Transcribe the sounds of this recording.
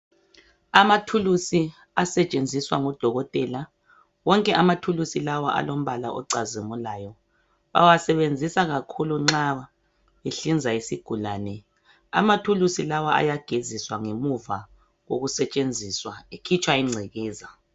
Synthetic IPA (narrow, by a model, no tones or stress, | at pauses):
amatʰulusi | asɛt͡ʃʼend͡zʱiswaŋɔd̥ʱɔɣɔtʼɛla | wɔŋkʼɛʔamatʰulusilawaʔa̰lom̩βalaʔɔ̰ǀazimulaːjɔ | βa̰wasɛβend͡zʱisaɣakʰuluŋ͡ǁaa | eɬind͡zʱaisiɡ̥ʱulaːnɛ | a̰matʰulusilawaʔa̰jaɡ̥ʱeziswaŋemuva | ɣoɣusɛt͡ʃʼend͡zʱiːswaekʰit͡ʃʼwaiŋ͡ǀʱɛɣɛːza